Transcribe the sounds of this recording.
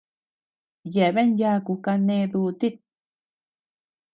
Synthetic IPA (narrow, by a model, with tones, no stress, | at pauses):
je˨βe˦nja˧ku˧ka˧nẽ˧d̪u˧t̪i˦t̪̚